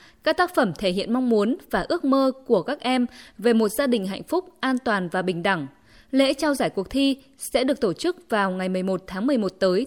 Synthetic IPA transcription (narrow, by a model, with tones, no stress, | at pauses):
kaː˦˥k̚t̪aː˦˥k̚fə˧˩mt̪ʰe˧˩ɦḭ˧˨ənma˧wŋ͡mmu˨˦ənvaː˨˩ʔɨ˦˥ək̚məː˧ku˧˩əkaː˦˥k̚ʔɛ˧mve˨˩mo˨˩t̚zaː˧ɗï˨˩ŋ̟ɦa̰˧˨jŋ̟fʊ˦˥k͡p̚ʔaː˧nt̪waː˨˩nvaː˨˩ɓï˨˩ŋ̟ɗa˧˩ŋ | lḛ˧˥t͡ɕaː˧wzaː˧˩jku˨˩ək̚t̪ʰi˧ | sɛ̰˧˥ɗɨ˨˩ək̚t̪o˧˩t͡ɕɨ˦˥k̚vaː˨˩wŋa˨˩jmɨ˨˩əjmo˨˩t̚t̪ʰaː˨˦ŋmɨ˨˩əjmo˨˩t̚t̪əː˨˦j